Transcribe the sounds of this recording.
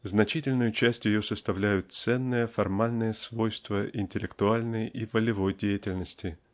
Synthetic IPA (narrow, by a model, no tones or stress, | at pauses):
znɐt͡ɕitʲɪlʲnʊjʊt͡ɕæsʲtʲjɪjo̞səst̪ɐvlʲæjʊt̪̚t̪sɛnːəjəfɐrmalʲnəjəsvojst̪vəʔɪnʲtʲɪlʲɪkt̪ʊalʲnəjivəlʲɪvo̞jdʲejɪtʲɪlʲnəsʲtʲɪ